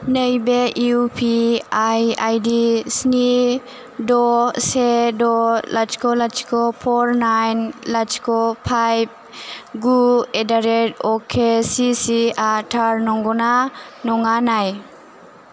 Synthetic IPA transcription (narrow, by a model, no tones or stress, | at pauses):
nəjbeiupʰiajajdisni | dɔsedɔlat͡ʃkolat͡ʃkʰopʰɔɾnajnlat͡ʃkopʰajb̚ɡuedaɾetokʰesisiatʰaɾnɔŋɡɔnanɔŋanaj